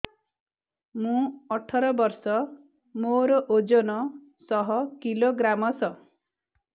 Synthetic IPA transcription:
mũɔʈʰɔɾɔbɔɾsɔ | moɾɔʔod͡ʒɔnɔ | sɔɦɔkiloɡɾamɔsɔ

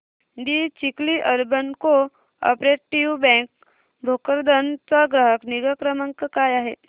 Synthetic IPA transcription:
d̪it͡ɕikliʔəɾbənko | ə̰pɾeʈiʋbɛ̃ŋk̚ | bʱokəɾd̪ənt͡sɔɡɾəɦəkniɡəkɾəməŋkəkajaɦe

